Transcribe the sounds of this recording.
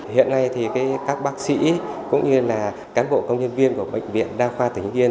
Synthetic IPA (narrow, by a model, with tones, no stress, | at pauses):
hḭ˧˨ənːa˧jt̪ʰi˨˩kaː˨˦jkaː˦˥k̚ɓaː˦˥k̚sḭ˧˥kʊ̰˧˥ŋ͡mɲɨ˧laː˨˩ | kaː˨˦nɓo̰˧˨kə˧wŋ͡mɲə˧nvi˧ənku˧˩əɓə̰˧˨jŋ̟vḭ˧˨ənɗaː˧xwaː˧t̪ʰï˨˩ŋ̟zi˧ə